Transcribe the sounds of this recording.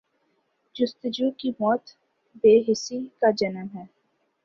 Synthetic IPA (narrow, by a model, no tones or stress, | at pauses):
d͡ʒʊst̪ɪd͡ʒuːkimɔːt̪ | beːɦɪsikad͡ʒɐnəmɦɛː